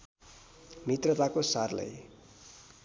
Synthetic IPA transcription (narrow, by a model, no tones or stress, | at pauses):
mit̪rʌt̪akosarla̰j